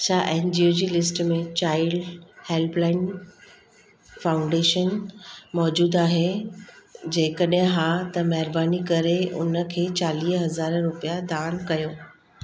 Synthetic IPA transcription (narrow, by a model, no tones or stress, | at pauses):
ɐt͡ɕʰaʔɛ̃ːnd͡ʑioːd͡ʑiːlɪsʈmẽt͡ɕaːɪɖheːlplaːɪn | faːʊ̃ɳɖeːʃənmɔːd͡ʑuːd̪aːɦe | d͡ʑeːkəɗɦɪ̃ɦãt̪ɐmɐɦɪɾbaːnikɐɾeʊ̰nə̆kʰeːt͡ɕaːliːɦɦɐzaːɾɾʊpijad̪aːnkɐjoː